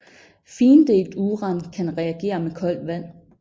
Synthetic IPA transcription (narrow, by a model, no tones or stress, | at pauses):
fiːnd̥e̝ɡ̥d̥uʁɑ̈nkʰænʁɛæɡ̥e̝̰ːɐmekʰɒ̽l̰d̥ʋæn̰